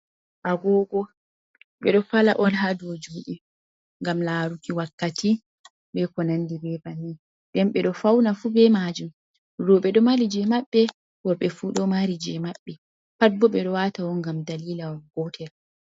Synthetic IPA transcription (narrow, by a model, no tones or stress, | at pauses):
ʔaɡɔːɡɔ | ɓɛɗɔfala̰ʔɔlɦadod͡ʒuːɗi | ŋɡamlaːɾukiwakːati | ɓɛkɔnandibɛbani | ɗɛmɓɛɗɔfawnafubɛmad͡ʒum | ɾɔɓɛɗɔmaɾid͡ʒɛmaɓːɛ | wɔɓɛfuɗɔmaɾid͡ʒɛmaɓːɛ | pabɔɓɛɗɔwatawɔŋɡamdaliːlawɡɔtʰɛɾ